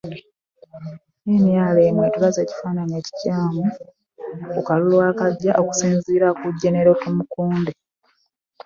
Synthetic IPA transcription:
emjaːle̞ːmwetuβaze̞ːci̥faːnanjeːci̥caːmu | okalulwaːkaɟːaʔo̞ku̥siːnziːɾakuɟːeneɾo̞tumukuːnde

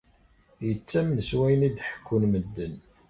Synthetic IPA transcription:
jət͡sːæmnswæjənid̪ħə̥kʰːʊnməd̪ːən

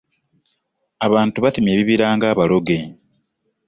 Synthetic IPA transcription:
aβaːntuβatimje̞ːβiβiɾaːŋɡaːβalo̞ɡe̞

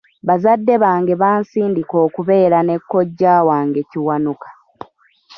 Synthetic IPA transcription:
βazadːe̞βaːŋɡe̞βaːnsiːndiko̞ːkuβe̞ːɾane̞kːo̞ɟːaːwaːŋɡe̞ciwanukʰḁ

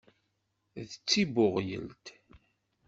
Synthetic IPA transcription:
ðət͡sːibʊʁjə̰lt̪

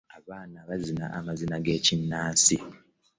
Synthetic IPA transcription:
aβaːnaβazina̰ʔamazinaɡe̞cinːaːnsi

